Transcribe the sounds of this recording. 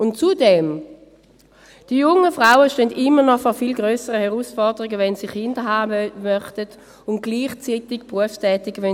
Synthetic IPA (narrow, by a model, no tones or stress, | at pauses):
ʊntt͡sudɛm | d̥iəjʊŋəfʁaʊəʃtøːndɪmːənɔfɔːfiːlɡʁøːsəʁəhɛʁuːsfɔʁdəʁiɡəvɛnsiχɪndəɦaːmœχtət | ʊnt̚ɡ̥liːχt͡siːtɪɡpʁuəfstʰɛːtɪɡəvɛ